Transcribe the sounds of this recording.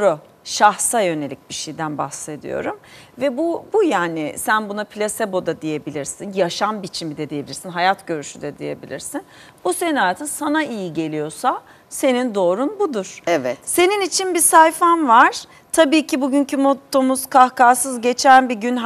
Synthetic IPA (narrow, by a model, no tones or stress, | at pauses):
ɾo | ʃahsajø̞nelʲic̚biʃejd̪ænbaxse̞d̪ḭjo̰ɾumvɛbubujaːnɪsænbunapʰlʲasebo̞d̪ad̪ije̞bilʲiɾsinjaʃambit͡ʃʰimid̪ɛd̪ije̞bilʲiɾsinɦajat̪ɟø̞ɾyʃyd̪ɛd̪ḭje̞̰bilʲḭɾsin | b̥useninaːt̪ʰɯnsanaijiɟe̞lʲijo̞sa | se̞nind̪o̞ːɾunbud̪uɾ̥ɛvɛt̪se̞ninit͡ʃʰinbisajfanvaɾ̥ | t̪ʰabiːcʰibuɟyncʰymo̞t̪ʰːo̞muz̥kʰahkaːsɯzɟe̞t͡ʃʰænbiɟyn